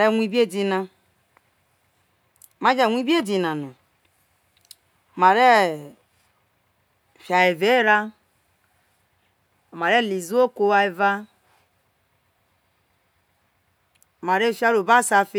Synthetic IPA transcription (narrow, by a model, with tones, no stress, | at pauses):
ɾe˦˨wʷi˦bi˦e˦di˦na˦˨ | ma˦d͡ʒa˨wʷi˦bi˦e˦di˨na˨no˨ | ma˨ɾe˦˨ | fja˨e˨ve˦ɾa˦˨ | ma˨ɾe˦˨li˨zu˦o˦ko˦wa˨e˨va˦ | o˨ma˨ɾe˦˨fʲa˦ɾo˨ba˦sa˨fe˦